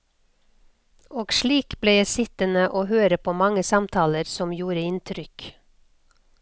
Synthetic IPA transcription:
ʔoːɡʃɭiːkbleːjæɪsɪt̪ənəʔoːhøːɾəpʰoːmɑŋəsɑmt̪ʰɑːləɾsɔmjuːɾəɪnt̪ʰɾʏk

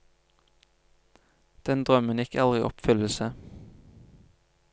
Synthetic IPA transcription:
d̪̥ɛnd̪ʁœmənjɪkʰɛlʁɪiʔɔ̰pfʏll̩sə

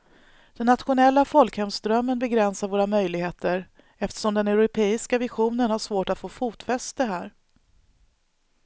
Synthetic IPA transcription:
d̪̥ɛnːat̪ɧʊnɛlːafɔlkhɛmsd̪ɾœmːənbɛɡɾɛnsaɾvoːɾamœjlɪɡheːt̪əɾ | ɛft̪ə̥ʂɔmd̪ɛnɛʊɾʊpʰeːɪskavɪɧuːnənhaʂvoːʈat̪foːfuːt̪fɛst̪əɦæːɾ

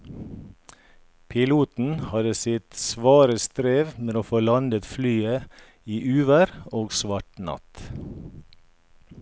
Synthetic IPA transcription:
pʰɪluːt̪n̩hɑd̪əsɪt̪sʋɑːɾəst̪ɾeːʋmeːoːfoːlɑnd̪ət̪flyːə | iːʔʉːʋəɾoːɡsʋɑʈnɑ̰t̪

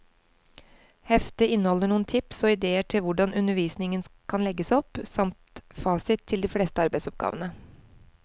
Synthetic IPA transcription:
hɛft̪əɪnːəhɔlːəɳuːənt̪ʰɪpsɔɪd̪eːəʈʰɪlʋʊɖɑnʔʉnəʋiːsnɪŋənkʰɑnlɛɡəsɔpsɑmt̪fɑːsɪt̪ʰːɪld̪iːfleːst̪əɑɾbæɪsɔp̚ɡɑ̰ːʋənə

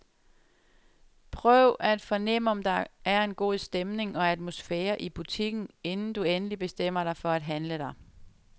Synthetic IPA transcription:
pʰʁœʊʔæd̥fɒ̽nem̰əɒ̽md̥ɑ̈ʔæɐe̝nɡ̥o̝̰ːsd̥emne̝ŋɒ̽æd̥mo̝sfeːɐʔib̥ut͡sʰiɡ̥n̩e̝nn̩d̥uenəlib̥e̝sd̥em̰ɐɾɑ̈ɪfɒ̽æd̥ɦænləɾ̥ɑ̈ɪ

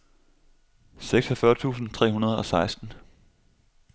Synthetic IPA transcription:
seɡ̥sɒfɶɐt͡sʰṵːsn̩t͡sʰʁɛ̰ːɦunɐð̞ˠɒ̽sɑ̈ɪsd̥n̩

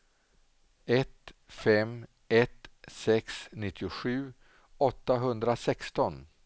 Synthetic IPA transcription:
ɛt̪fɛm | ɛt̪sɛksnɪt̪ʰːɪʊɧʉ̟ː | ɔt̪ːaɦɵnd̪ɾasɛkst̪ɔn

